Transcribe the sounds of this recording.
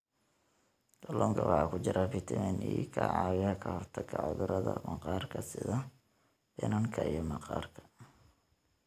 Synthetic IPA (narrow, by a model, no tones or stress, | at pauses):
ɡɐlʔɔːŋkʰɐwɑħɑːkʰʊt͡ʃɪɾafɪt̪ʰɪmɛːniːkʰɐʕɑːwɪɐkʰɐhɔrt̪ʰɐɡʰɐʕʊðʊɾɐðɐ̰mɐqɑːrkʰɐsɪðɐ | bɪ̰nɐŋkʰɐijɞmɐqɑːrkʰɐ̥